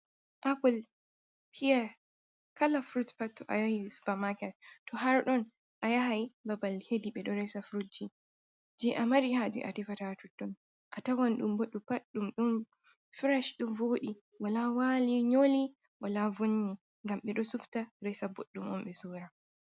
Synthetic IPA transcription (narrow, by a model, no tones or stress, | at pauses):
ʔapul | hʰija | kalafɾutpatːɔʔa̰jahisu̥pamakɛltɔɦaɾɗɔn | ʔajaɦajbabalhediɓɛɗɔɾɛsafɾud͡ʒi | d͡ʒɛʔamaɾihad͡ʒḭʔa̰tifatatutːɔn | ʔatawanɗumboɗupaɗːumɗɔn | fiɾaʃɗɔvoɗi | walawaliɲoli | walavoɲːi | ŋɡamɓɛɗɔsuftaɾɛsaboɗːumɔ̰mɓɛsɔɾa